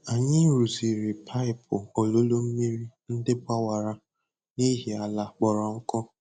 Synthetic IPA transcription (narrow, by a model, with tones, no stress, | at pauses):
a˨ɲɪ˦ɾu˨zi˨ɾɪ˨pʰa˦ɪ˨pʊ˨o˨lo˦lo˦m̩˦mi˦ɾi˦n̩˦dɪ˦bʷa˦wa˨ɾa˨ | ni˦ɦi˨a˨la˨k͡pɔ˨ɾɔ˨ŋ̩˦kɔ˦